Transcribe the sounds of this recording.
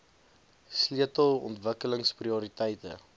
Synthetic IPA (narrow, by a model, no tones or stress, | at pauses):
sliətəlˠɔ̰ntvəkələŋspriuɾitəjtə̰